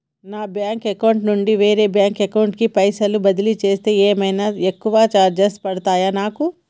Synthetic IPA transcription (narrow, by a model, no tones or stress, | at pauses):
naːbjaːŋkekɐwɳʈnuɳɖiʋe̞ːɾe̞ːbjaːŋkekɐwɳʈ̚kipɐjsɐlubɐd̪ilit͡ʃe̞ːst̪e̞ːeːmɐjnaːekːuʋaːt͡ʃaːɾd͡ʒesʈ̚pɐɽɐt̪aːjaːnaːku